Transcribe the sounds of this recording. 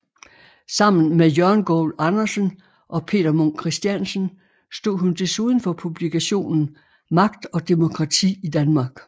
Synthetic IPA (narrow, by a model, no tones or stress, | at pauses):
sɑ̈m̰n̩mejœɐnɡ̥ɔ̰ːlɑ̈nɐsən | ʔɒ̽pʰe̝̰ːd̥ɐmonkʰʁisd̥jænsən̩ | sd̥o̝ð̰ˠɦund̥e̝suːð̞ˠn̩fɒ̽pʰub̥likʰæɕo̝̰ːnn̩ | mɑ̈ɡ̥d̥ɒ̽d̥emo̝kʰʁɑ̈t͡sʰḭːid̥ænmɑ̈ːɡ̥